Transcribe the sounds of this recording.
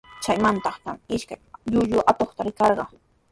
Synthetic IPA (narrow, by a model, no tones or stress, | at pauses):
t͡ʃajmant̪ɑχt̪amɪʃkajʎʊʎʊʔat̪oχt̪aɾɪkɑɾɢɑ̰